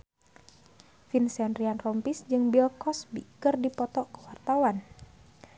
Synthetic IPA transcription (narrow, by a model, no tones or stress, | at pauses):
finsɛnrianrɔmpisd͡ʒɨŋbilkɔsbḭkɨrdipɔt̪ɔkə̥wart̪awan